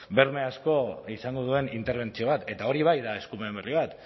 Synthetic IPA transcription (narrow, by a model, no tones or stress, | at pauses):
be̞ɾme̞asko̞isaŋɡoð̞ue̞nint̪e̞ɾβe̞nt͡sio̞βat̪e̞t̪ao̞ɾiβ̞ajðae̞skumemβeriβ̞at̪